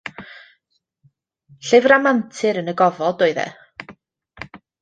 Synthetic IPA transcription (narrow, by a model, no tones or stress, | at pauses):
ɬɪvramantʰɨɾənəɡɔvɔdoɨðɛ̰